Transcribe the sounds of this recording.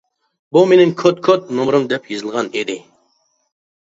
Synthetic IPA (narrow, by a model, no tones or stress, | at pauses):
bumenɪŋkʲʰot̪̚kʰøt̪̚nomɾɨmd̪ɛpjɨzɨlˠʁɑned̪ɪ